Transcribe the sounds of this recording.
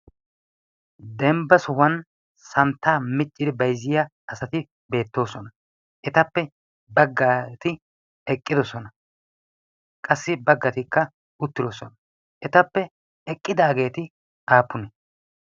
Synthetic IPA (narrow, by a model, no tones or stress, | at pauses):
d̪ɛmbɐsɔhɐn | sɐnt̪ːaːmɪt͡ʃʼːɪd̪ɪbɐjzːɪjaʔɐsɐt̪ɪ | be̞ːt̪ːo̞ːsɔnɐ | ʔɛt̪ɐpːɛ | bɐɡːaːt̪ɪ | ɛkʼːɪd̪ɔsɔnɐ | kʼɐsːɪbɐɡːɐt̪ɪkːɐ | ʊt̪ːɪd̪ɔsɔnɐ | ʔɛt̪ɐpːɛ | ɛkʼːɪd̪aːɡe̞ːt̪ɪ | ʔaːpːʊnɛ